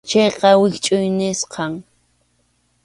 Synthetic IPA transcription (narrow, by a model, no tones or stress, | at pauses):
t͡ʃejqɑwɪkt͡ʃʼʊjnɪsqɑŋ